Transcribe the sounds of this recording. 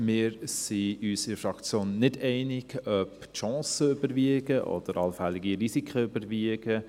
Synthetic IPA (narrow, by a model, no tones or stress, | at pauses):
mɪːɾsiysɪfɾɑkt͡sjoːnːɪdɛɪnɪɡ̥œptʃɑ̃ːsəʏbəɾʋiəɡ̥əʔɔ̰d̥̪əɾɑlfɛlɪɡiɾisikχəʏbəɾviəɡ̥ə